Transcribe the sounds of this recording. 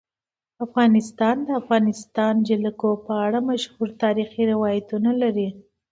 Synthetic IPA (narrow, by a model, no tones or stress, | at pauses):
afɣɑnɪst̪ɑnd̪əafɣɑnɪst̪ɑnd͡ʒɪlakopəaɽamaʃhuɾt̪ɑɾixiɾɪwɑjat̪unalaɾi